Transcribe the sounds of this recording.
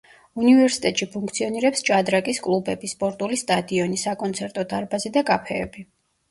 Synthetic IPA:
univɛɾsit̪ʼɛt̪ʼʃipʰuŋk̚ʰt̪sʰiɔniɾɛpst͡ʃʼad̪ɾakʼiskʼlˠubɛbispʼɔɾt̪ʼulist̪ʼad̪iɔnisakʼɔnt̪sʰɛɾt̪ʼɔd̪aɾbazid̪akʼapʰɛːbi

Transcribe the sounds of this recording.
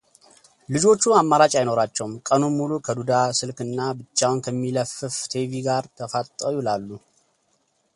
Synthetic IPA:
lɨd͡ʒo̞t͡ʃːuamːaɾat͡ʃʼajno̞ɾat͡ʃːɛwmkʼənumːulukʰəd̪ud̪asɨlkɨnːabɨt͡ʃːawnkʰəmːiləfɨft̪ʰeviɡaɾt̪ʰəfat̪ʼːəwuɪlalːu

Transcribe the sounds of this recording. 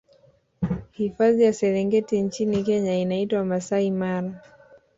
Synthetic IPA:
hifaðijasɛɾɛŋɡɛtiɲt͡ʃinikɛɲainaitwamasaimaɾa

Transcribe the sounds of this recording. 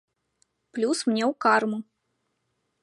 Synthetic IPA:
plʲusmnʲɛwkarmu

